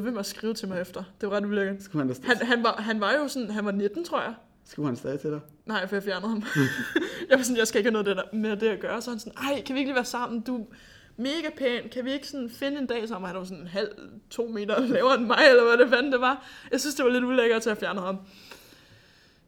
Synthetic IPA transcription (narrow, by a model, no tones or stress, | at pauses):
ðˠʋem̰ɐsɡ̥ʁiːʊt͡sʰe̝lmɑɪefd̥ɐd̥e̝ʋɑ̈ʁɑ̈d̥uleɡ̥ɐsɡ̥uhnhænɦænʋɑ̈ɦænʋɑ̈jo̝sɔ̽nɦænʋɑ̈ne̝d̥n̩t͡sʰʁo̝ɐ̰jɑ̈ɪ | sɡ̥uʊhænsd̥ɛðˠit͡sʰed̥ | nɑ̈ɪ̰fɒjɑ̈fjæɐnð̩ˠhɑ̈m | jɑ̈ɪʋɑsɔnjɑ̈ɪsɡ̥æe̝ɡ̥æːnoðˠd̥edɐme̝ɐd̥e̝æɡ̥ɶːɐsɒ̽hænsɔnʔɑ̈ɪ̰kʰæʋieɡ̥liːʋæːɐsɑ̈m̰n̩d̥u | me̝ːɡ̥æpʰɛːnkʰæʋie̝ɡ̥ə̥sɔ̽nfe̝nəe̝nd̥ɛ̰ːs̬ɑɒ̽mhænʋɑsɔ̽nenɦæl̰t͡sʰo̝̰ːme̝̰ːd̥ɐlɛːʊɐenmɑ̈ɪ̰elɐʋæɾefædnd̥e̝ʋɑ̈jɑ̈ɪsynsd̥e̝ʋɑle̝d̥uleɡ̥ɐt͡sʰeæfjæɐnðhɑ̈m